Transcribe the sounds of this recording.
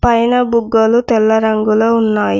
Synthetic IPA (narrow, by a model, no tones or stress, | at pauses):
pɐjnɐbuɡːɐlut̪ɛlːɐɾɐŋɡuloːunːaːji